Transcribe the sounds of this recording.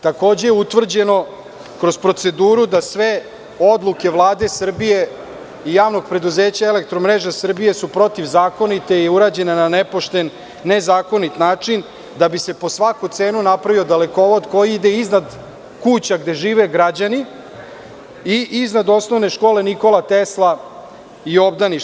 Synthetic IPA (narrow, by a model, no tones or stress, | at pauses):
t̪ako̞ːd͡ʑejeut̪ʋr̩d͡ʑe̞no̞ | kɾo̞zpɾo̞t̪se̞d̪uːɾud̪asʋe | o̞d̪lˠuke̞ʋlˠaːd̪e̞sr̩bije̞ | ijaːʋno̞ɡ̚pɾe̞d̪uzeːt͡ɕaele̞k̚t̪ɾo̞mɾe̞ʒasr̩bije̞supɾo̞t̪iʋzaːko̞nit̪e̞iuɾaːd͡ʑe̞nenane̞po̞ʃt̪e̞nː | ezaːko̞nit̪naːt͡ʂin | d̪abise̞po̞sʋakut̪seːnunapɾaʋio̞d̪aleko̞ʋo̞d̪ko̞jiid̪e̞iznad̪ | kut͡ɕaɡd̪e̞ʒiːʋe̞ɡɾad͡ʑani | iʔiznad̪o̞sno̞ʋne̞ʃko̞ːle̞niko̞lˠat̪eslˠa | io̞bd̪ani